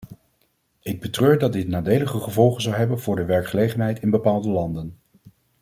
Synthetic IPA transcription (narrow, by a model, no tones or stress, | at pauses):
ɪɡ̚bətrøːɹdɑd̚dɪtnaːdejləχəχəvɔlˠχənzɑwɦɛbənvʊːɹdəʋɛɹkχəlejχənɦɛjtɪnbəpaːlˠdəlɑndən